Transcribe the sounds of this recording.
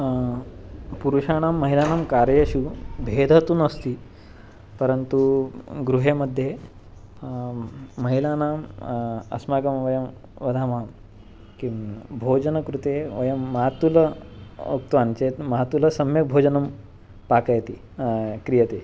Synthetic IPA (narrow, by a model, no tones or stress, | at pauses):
puɾuɕañamːɐɦilanamkaɾjeɕubʱed̪ʱət̪uːnəst̪iː | pəɾənt̪uɡɾuɦeməd̪ʱːje | ɐɦilanaːm | ɐ̰smakɐmʋɐjɐm | ʋɐd̪ʱamam | kibʱod͡ʑənəkɾut̪eʋɐjɐmːɐɦat̪uləṵkt̪ʋant͡ɕet̪mɐɦat̪uləsɐmjek̚bʱod͡ʑənɐm | pakəjt̪iː | kɾijət̪e